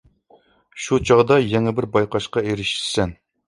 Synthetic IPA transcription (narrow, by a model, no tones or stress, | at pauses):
ʃut͡ʃʰɑʁd̪ɑjɛŋɛbɪɾbɑjqɑʃqɑeɾɪʃɾsɛn